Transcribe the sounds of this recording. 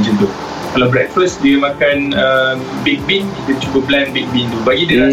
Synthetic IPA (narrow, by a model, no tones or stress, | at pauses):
d͡ʒənd̪ʊ | kalawbɾɛk̚fəsdiəmãkanəm | bɛk̚binit̪ət͡ʃubəblanbɛk̚bint̪ubaɡidəl